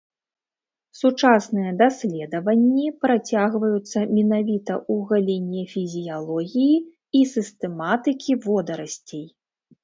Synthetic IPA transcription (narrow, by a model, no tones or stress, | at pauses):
sut͡ʂasnɨjɐd̪asʲlʲɛd̪ɐvɐnʲːipɾat͡sʲaɣvɐjut̪sːɐmʲinavʲit̪ɐʔuɣalʲenʲːɛfʲizʲijalˠɔɣʲiji | isɨst̪ɛmat̪ɨkʲivɔd̪ɐɾɐsʲt͡sʲej